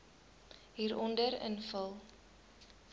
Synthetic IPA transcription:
ɦiːɾʔɔndəɾə̰nfəlˠ

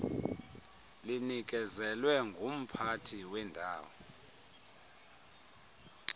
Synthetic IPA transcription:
linik̬ʼɛzɛlwɛŋɡʱum̩pʰatʰiwɛndʱaːwɔ

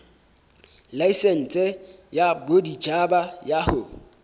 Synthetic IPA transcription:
laisɛn̩t͡sʼɛjabodid͡ʒabajahʊ

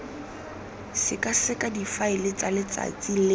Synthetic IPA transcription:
sɪkʼasɪkʼadifaɪlɪt͡salɪt͡sa̰t͡sʼilɪ

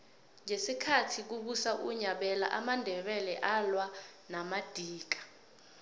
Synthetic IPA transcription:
ŋʱesikʰatʰik̬uɓusaʔuɲaɓɛla̰ʔamandʱɛɓɛlɛʔalwanamad̥ʱiːk̬ḁ

